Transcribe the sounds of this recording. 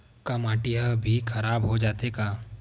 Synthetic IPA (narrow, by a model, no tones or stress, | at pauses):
kamaːʈijabʱikʰɐɾaːbɦod͡ʒaːt̪ekaː